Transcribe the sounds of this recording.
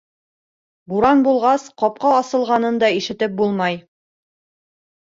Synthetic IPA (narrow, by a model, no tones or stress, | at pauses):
buɾɑnbulˠʁɑsqɑp̚qɑːsɤ̆lˠʁɑnɤnd̪ɑiʃɘ̆t̪ɘp̚bulˠmɑj